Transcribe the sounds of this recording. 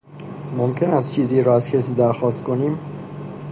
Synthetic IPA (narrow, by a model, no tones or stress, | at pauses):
momcʰe̞næst̪t͡ʃʰiːziːɾɒːæz̥cʰesid̪æɾxɒːst̪kʰoniːm